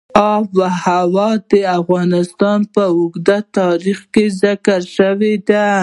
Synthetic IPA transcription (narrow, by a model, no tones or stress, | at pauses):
ɑbwahawɑd̪əafɣɑnɪst̪ɑnpəʊɡd̪at̪ɑɾixkezɪkaɾʃəwed̪a